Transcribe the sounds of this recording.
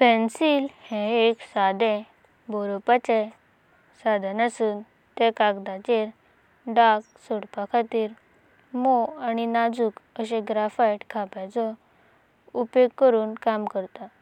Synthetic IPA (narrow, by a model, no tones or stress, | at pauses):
pɛ̃nsiːlhɛ̃eksad̪ɛ̃ | bɔɾɔpat͡ɕeɛ̃ | sad̪ʱanasuːn | t̪ekakd̪at͡ɕeɾ | ɖak̚sɔɽpakʰat̪iːɾ | moaɽ̃inad͡zuːkəɕẽɡɾafajʈkʰapat͡sɔ | upjoɡ̚kəɾuːnkamkəɾt̪a